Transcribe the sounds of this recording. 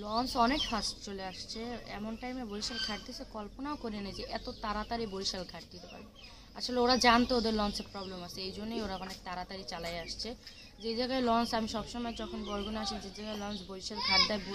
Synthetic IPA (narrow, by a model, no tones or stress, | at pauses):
lɔnsɔnekfastt͡ɕoleaʃt͡ɕʰeɛ̰monʈajmebojʃalɡʱaʈd̪iekɔlponaokoɾienid͡ʑeʔɛt̪ot̪aɾat̪aɾibojʃalɡʱaʈ̚d̪it̪epa̰ɾe | a̰ʃʰoleoɾad͡ʑant̪eod̪eɾlɔnseɾpɾɔblemat͡ɕʰeejd͡ʑʱonːejoɾaɔnek̚t̪aɾat̪aɾit͡ɕalaeaʃt͡ɕʰe | d͡ʑed͡ʑaɡaelɔnsamiʃɔbʃɔmɔed͡ʑɔkʰonbɔjɡʱonaʃid͡ʑed͡ʑaɡaelɔnsbojʃalɡʱaʈ̚d̪aebo